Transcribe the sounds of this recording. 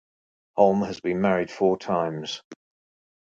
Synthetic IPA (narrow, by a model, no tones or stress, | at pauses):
hɒlˠməzbĩnmaɹɪd̥fɔːtʰãɪ̃mz̥